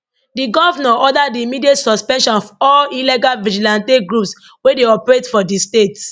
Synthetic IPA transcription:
diɡɔvanɔɔdadiimidietsɔspɛ̃nʃɔ̃nɔfɔliliɡalvid͡ʒilãnteɡɹups | wedeɔpɹetfɔdistets

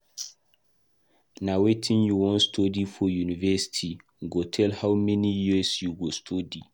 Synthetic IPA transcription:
nawetʰĩnjuwɔ̃nstʰodifɔjunivɛsi̥tʰi | ɡɔtʰɛlhawmɛnijisjuɡostʰodi

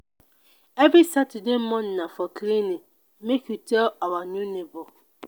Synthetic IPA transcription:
ɛbisatɪdem̩mɔ̃nnãfɔklenĩ | mekjutʰɛlawanũnebɔ

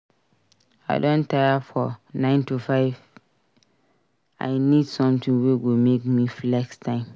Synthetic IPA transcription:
a̰ɪdõntajafɔnãɪ̃ntufaɪv | a̰ɪnidsɔ̃mtĩŋweɡomekmiflɛkstʰãɪ̃m

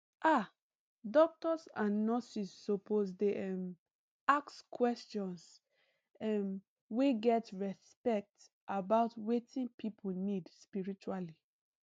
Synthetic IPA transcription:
ʔa | dɔk̚tɔsãnːɔsisːopʰosdeʔɛm | akskwɛst͡ʃɔ̃ns | ɛm | wiɡɛtɹɛspɛk̚t | ʔabaʊtwetʰĩnpʰipʰonidspiɹit͡ʃuali

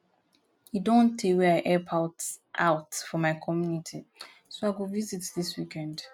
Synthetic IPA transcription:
idõntʰːewɛaɪʔɛpʰɔtsʔaʊtfɔmaɪkʰɔmjũnitʰi | soaɪɡovizitðiswikʰɛ̃nd

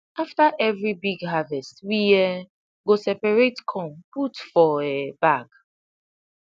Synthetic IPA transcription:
aftaʔɛvɹibiɡɦavɛstwiɛ | ɡosɛpaɹetkʰɔ̃npʰutfɔɛb̥ak

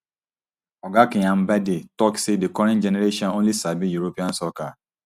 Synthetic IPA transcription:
ɔɡakĩãm̩bɛdetɔksedekɔɾɛ̃ntd͡ʒɛnɛɾeʃɔ̃nõnlisabijuɾopiãnsɔka

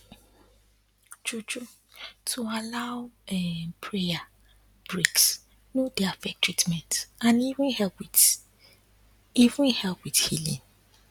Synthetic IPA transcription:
t͡ʃud͡ʒu | tʰualaʊɛpʰɹeja | b̥ɹiks | nũdiafɛk̚tʰːɹitmɛ̃ntãnivĩnhɛi | ivĩnhɛlpwithilḭ̃n

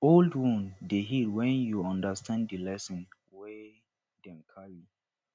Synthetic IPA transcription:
oldwũndeɦilwɛ̃njuɔ̃ndastʰãnddilɛsɔ̃n | wɛ | dɛ̃mkʰaɹi

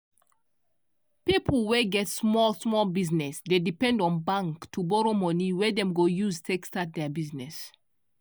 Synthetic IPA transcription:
pipʰlwɛɡɛtsmɔlsmɔlbiznɛsdedipɛ̃ndɔ̃nbãŋktʰubɔɹomɔniwɛdɛ̃mɡojuztʰekstat̚dɛbiznɛs

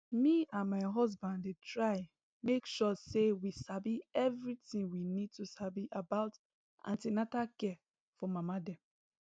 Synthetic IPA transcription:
miãnmaɪɦɔzbãnddetɹaɪ | mekʃɔsewisabiɛvɹitĩŋwinid̚tusabiʔabaʊt | ã̰ntinatakɛ | fɔmamadɛ

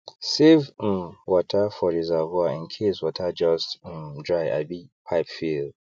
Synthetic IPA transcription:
sev̩wɔtʰafɔɹizavaɪ̃nkʰeswɔtʰad͡ʒɔstdɹaja̰bipʰaɪpfil

